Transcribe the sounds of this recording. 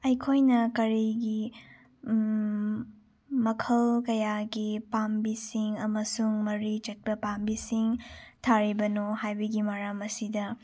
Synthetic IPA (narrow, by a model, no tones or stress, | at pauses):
ɐjkʰojnɐkɐɾiɡi | mɐkʰɐlkɐjaɡipambisiŋɐmɐsuŋmɐɾit͡ʃɐt̚pɐpambisiŋtʰaɾibɐnohajbɐɡimaɾamɐsidɐ